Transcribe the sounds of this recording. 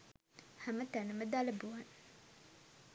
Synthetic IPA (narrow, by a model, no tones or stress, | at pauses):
hamət̪anəməd̪aləbuan